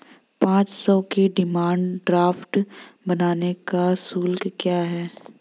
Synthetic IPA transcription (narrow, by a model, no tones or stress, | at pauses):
pãːt͡ʃsɔkeɖɪmaːɳɖɖɾaːfʈbɐnaːnekasuːlɡkjaːɦɛː